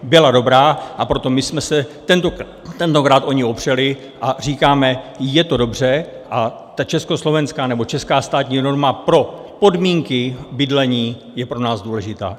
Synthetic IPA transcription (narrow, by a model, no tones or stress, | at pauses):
bɪlado̞bɾaːʔapɾo̞t̪o̞mɪsmɛsɛt̪ɛnt̪o | t̪ɛnt̪o̞kɾaːt̪ʔo̞ɲɪopr̝̥ɛlɪ | ʔar̝iːkaːmɛjɛt̪o̞do̞br̝ɛ | ʔa | t̪at͡ʃɛsko̞slo̞vɛnskaːnɛbo̞t͡ʃɛskaːst̪aːt̪ɲiːno̞ɾmapɾo̞ | po̞dmiːŋkɪbɪdlɛɲiː | jɛpɾo̞naːzduːlɛʒɪt̪a̰ː